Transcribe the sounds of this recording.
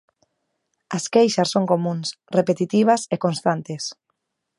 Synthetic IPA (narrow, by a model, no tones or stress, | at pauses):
ɐskejʃasːoŋkomũns | repet̪it̪iβ̞ɐsekõnst̪ant̪es